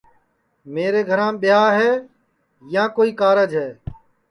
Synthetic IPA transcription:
meːɾeːɡʱəɾãːɓɪjaːɦɛː | jãːkoːiːkaːɾəd͡ʒɦɛː

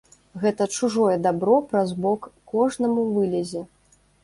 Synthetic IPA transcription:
ɣɛt̪ɐt͡ʂuʐɔjɛd̪abɾɔpɾazbɔkːɔʐnɐmuvɨlʲɛzʲɛ

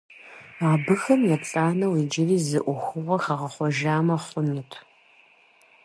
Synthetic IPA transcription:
aːbɨxɐmjɛpt͡sʼaːnɐwiːd͡ʒɪriːzɨʔʷʊxʷʊʁʷɐxɐʁɐχʷɔʒaːmɐχʷʊnɨtʰ

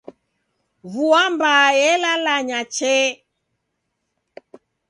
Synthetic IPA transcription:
vuambajɛlalaɲat͡ʃɛ

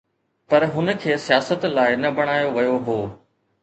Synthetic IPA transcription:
pɐɾɦʊnə̆kʰeːsijaːsət̪laːɪnɐbɐɽ̃aːjoʋɐjoɦoː

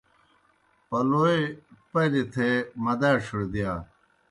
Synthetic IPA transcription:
pɐloepɐlit̪ʰemɐd̪aːʂuɽd̪ijaː

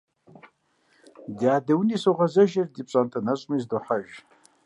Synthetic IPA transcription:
djaːdɐwnisoʁɐzɐʒɐrdipʼɕʼantʰanɐɕʷʼmizduħaʒ

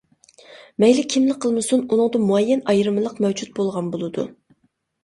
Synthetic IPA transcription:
mɛjlɪkʲʰimlɪk̚ʲqʰːəlˠmɨsununɨŋd̪ɨmuɛjːɛnɑjɾɨmɨlˠəqmɛwd͡ʒut̪̚bolˠʁɑnbolˠɨd̪ṵ

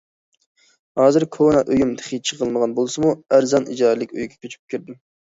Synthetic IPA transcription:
hɑːzɨɾkʰonɑʔøjumt̪ʰɨ̥χit͡ʃʰəʁəlˠməʁɑnbolˠsɨmuæɾzɑnʔḭd͡ʒɑːɾlˠɪkʲø̰jɡʲɛ̥kʲʰøt͡ʃʰy̥p̚kʲʰiɾd̪ɪm

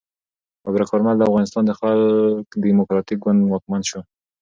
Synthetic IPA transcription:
abɾakɑɾmald̪əafɣɑnɪst̪ɑnd̪əxalkd̪imʊkɾɑt̪ik̚ɡand̪wɑk̚manʃo

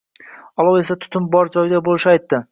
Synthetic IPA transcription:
ɒlˠawe̞sat̪ʰʊ̥t̪ʰʊmbɒɾd͡ʒɒjɪd̪abolˠɪʃɪajt̪ːɪ

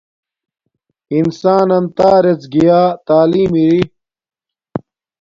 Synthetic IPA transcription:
insaːnɐnt̪aːɾet͡sɡijaːt̪aːliːmiɾi

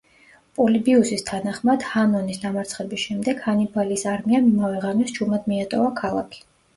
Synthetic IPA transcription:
pʼɔlibiusist̪ʰanaχmad̪̥hanɔnisd̪amaɾt̪sʰχɛbisʃɛmd̪ɛɡhanibʰaliːsaɾmiamimavɛʁanɛsd͡ʒumad̪miat̪ʼɔvakʰalˠa̰kʰi̥

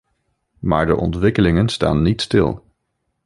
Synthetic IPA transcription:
ma̰ːɹdə̰ʔɔ̰ntʋɪkəlɪŋənsta̰ːnːitstɪ̰lˠ

